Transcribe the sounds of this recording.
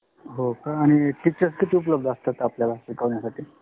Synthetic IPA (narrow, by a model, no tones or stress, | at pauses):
ɦokaːɽ̃iʈik̚t͡ɕəɾskit̪iupləb̚d̪ast̪at̪apljalaɕikəʋɳjasaʈʰiː